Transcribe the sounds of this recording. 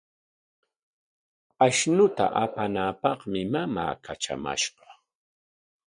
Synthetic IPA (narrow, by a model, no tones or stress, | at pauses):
aʃnʊt̪a̰ʔapanaːpɑχmɪmama̰ːkaʈ͡ʂa̰ma̰ʃɢɑ̥